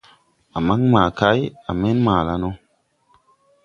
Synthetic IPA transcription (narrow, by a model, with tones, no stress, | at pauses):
a˨ma˦ŋmaː˨ka˦ja̰˨me˦nmaː˨la˦no˦